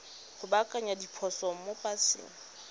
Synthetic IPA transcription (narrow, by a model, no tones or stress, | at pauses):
hʊbakʼaɲadipʰɔsɔŋ̩mopʼasɪ̰ːŋ̩